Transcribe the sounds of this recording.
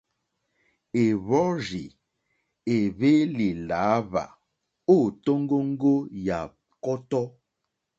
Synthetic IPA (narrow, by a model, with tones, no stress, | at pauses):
e˨βɔ˦ʒi˨ | e˨βe˦li˨laː˨˦βa̰˨ | o˦˨to˦ŋ˦ɡo˦ŋ̩˦ɡo˦ja˨ | kɔ˦tɔ˦